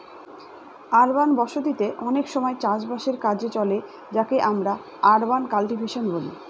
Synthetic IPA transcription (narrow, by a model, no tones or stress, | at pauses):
aɾbanbɔʃod̪it̪eʔɔnekʃɔmɔet͡ɕãʃbaʃeɾkad͡ʑet͡ɕɔle | d͡ʑakeʔamɾa | aɾbankalʈibʱeʃonbolḭ